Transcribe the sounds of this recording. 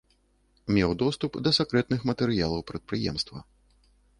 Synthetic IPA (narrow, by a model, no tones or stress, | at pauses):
mʲɛwd̪ɔst̪upd̪ɐsʲɛkɾɛt̪nɨxmɐt̪ɛɾɨjalˠɐwpɾɐt̪̚pɾɨjɛ̰mst̪vɐ̰